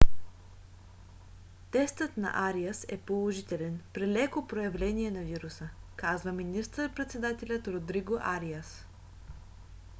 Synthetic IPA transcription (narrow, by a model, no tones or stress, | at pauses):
t̪ɛst̪ət̪nɐ̰ʔaɾiəsɛpolˠoʒit̪ɛlɛnpɾilɛkopɾojɐvlɛniɛnɐviɾusəkazvəminist̪əɾpɾɛt̪sɛd̪at̪ɛlʲət̪ɾod̪ɾiɡoʔaɾiəs